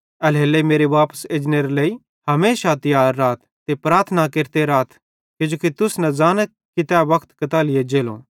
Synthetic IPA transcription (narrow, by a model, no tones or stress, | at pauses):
ɛlɦeːlemeːɾeʋaːpə̥seːd͡ʒneɾlei | hɐmeːʃat̪ɪjaːɾːaːt̪̚ʰːepɾaːɾt̪ʰənakeːɾt̪eɾaːt̪ʰ | kɪd͡ʒoːkit̪ʊsnɛ̃d͡zaːnə | kɪt̪ɛʋɐkʰt̪kɐt̪aːlɪjed͡ʒeːlõ̰